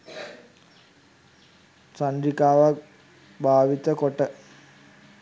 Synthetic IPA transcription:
saɳɖɾikaːʋak | bʱaːʋit̪əkoʈə

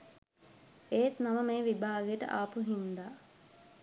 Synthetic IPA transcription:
eːt̪naməmeːʋibʱaːɡejəʈə̰ʔaːpuɦind̪aː

